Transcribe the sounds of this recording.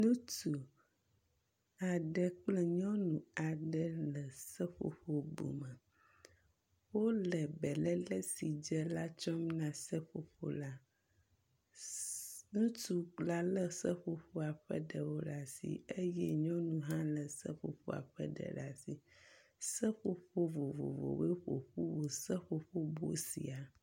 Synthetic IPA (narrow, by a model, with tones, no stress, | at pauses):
nũ˦tu˨ | a˨ɖə˦k͡plə˨ɲɔ̃˦nũ˨a˨ɖə˦lə˨sə˦ɸo̰˨ɸo˦bo̰˨mə˨ | wo˦lə˨bɛ˨lɛ˦lə˦si˨d͡ʒɛ˦la˦t͡ʃɔ˦mnã˨sə˦ɸo̰˨ɸo̰˨la˦ | nũ˦tu˦la˦lə˦sə˦ɸo˦ɸo˦a˨ɸɛ̰˦ɖə˨wo˦la˦sḭ˨e˦jɛ˦ɲɔ̃˦nũ˦ɦã˦lə˨sə̰˦ɸo˨ɸo̰˦a̰˨ɸɛ̰˦ɖɛ̰˨la˦si˨sə˦ɸo˦ɸo˦vo˨vo̰˨vo̰˨we˦ɸo̰˨ɸu˦wo˨sə˦ɸo˨ɸo˦bo̰˦sḭ˨a˨